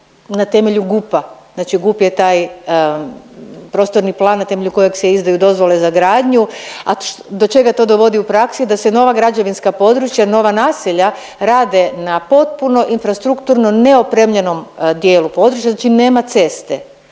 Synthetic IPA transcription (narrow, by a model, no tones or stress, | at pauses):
nat̪e̞me̞ʎuɡupaznat͡ʃiɡupjet̪aːj | pɾo̞ːst̪o̞ɾniplˠaːnːat̪e̞me̞ʎʲuko̞jekseizd̪ajud̪o̞zʋo̞le̞zaɡɾaːd̪ɲuad̪o̞t͡ʃe̞ɡat̪o̞ːd̪o̞ʋo̞d̪iupɾaksid̪ase̞no̞ʋaɡɾad͡ʒeʋinskapo̞d̪ɾut͡ʃjano̞ʋanaːsiʎa | ɾaːd̪e̞napo̞t̪̚puno̞ʔinfɾast̪ɾukt̪uɾnoneo̞pɾemʎeno̞md̪jeːlupo̞d̪ɾut͡ʃjaznat͡ʃine̞ːmat̪se̞st̪e